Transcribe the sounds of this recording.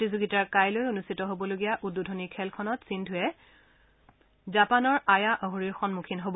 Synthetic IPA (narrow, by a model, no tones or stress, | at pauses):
tizoɡitaɹkajlojonustʰitɔɦobɔloɡijaʔudːudʱonikʰɛlkʰɔnɔtsindʱʊjɛ | zapanɔɹajaʔɔɦoɹiɹxɔnmukʰinɦobɔ